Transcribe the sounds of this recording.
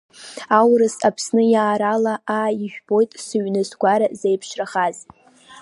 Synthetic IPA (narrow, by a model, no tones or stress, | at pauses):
awɾɨsapʰsnɨjaːɾalaaiʒᶣbo̞jtʼsɨɥnɨzɡʷaɾazejpʰʃraχaz